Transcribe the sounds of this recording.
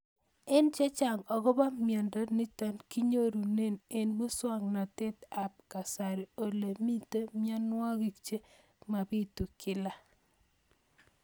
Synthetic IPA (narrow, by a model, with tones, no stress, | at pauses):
ɪ˦nt͡ʃɛ˦t͡ʃa˨ŋɔ˨ko˦ba˦mjɔ˨ndɔ˦ni˦tɔ˦nki˦ɲo˦ɾu˨ne˦ne˨nbu˦swa˦ŋna˨te˦t̪a˨p̚ka˨sa˨ɾi˨o˨le˨mi˦te˦mja˦nwɔ˦ɣi˨k̚t͡ʃe˦ | ma˨bi˦tu˨kɪ˦la˦